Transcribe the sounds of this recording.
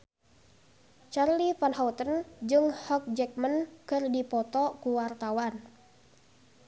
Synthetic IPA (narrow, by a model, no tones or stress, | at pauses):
t͡ʃarlifanhawt̪ənd͡ʒɨŋhɔk̚d͡ʒɛk̚mənkɨrdipɔt̪ɔkuwart̪awan